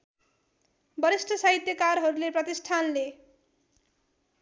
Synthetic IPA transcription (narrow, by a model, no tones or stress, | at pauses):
bʌɾisʈʰʌsʌɦit̪jʌkaɾɦʌɾuleprʌt̪isʈʰanle